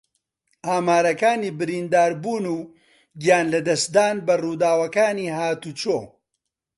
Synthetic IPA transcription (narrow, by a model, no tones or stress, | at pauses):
ʔaːmaːɾɐkaːniːbɨɾiːnd̪aːɾbuːnuː | ɡijaːnlɐd̪ɐsd̪aːnbɐruːd̪aːwɐkaːniːɦaːt̪ut͡ʃoː